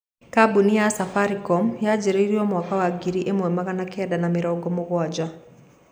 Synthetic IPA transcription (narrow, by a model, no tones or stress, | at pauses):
kabunijasafaɾikomjaɟiɾeiɾioːmwaːkawaɡiɾiʔemwemaɣanakʰeːdanamiɾɔːŋɡomuβwaːɟa